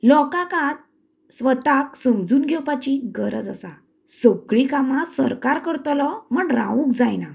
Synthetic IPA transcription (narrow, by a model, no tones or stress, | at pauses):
lɔkakãt͡s | sʋət̪aksəmd͡zuːnɡʱɛwpat͡ɕiɡəɾə̰d͡zasa | səkɭikamãsə̰ɾkaɾkəɾt̪lɔm̤əɳɾã̰ʋũkd͡zajna